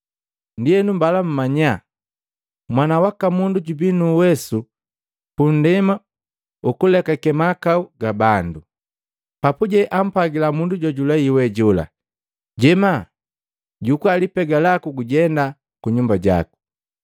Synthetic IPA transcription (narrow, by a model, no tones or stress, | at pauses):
ndiɛnumbalam̩maɲa | mwanawakamunduɟubinuwɛsu | pun̩dɛma | ukulɛkakɛmakauɡabandu | papuɟɛʔam̩paɡilamunduɟɔɟulaiwɛɟɔla̰ | ɟɛma | ɟukualipɛɡalakuɡuɟɛnda | kuɲumbaɟa̰ku̥